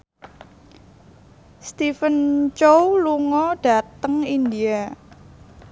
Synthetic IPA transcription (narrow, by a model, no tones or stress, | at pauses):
st̪ifənt͡ʃowluŋɔɖ̥a̤t̪əŋindia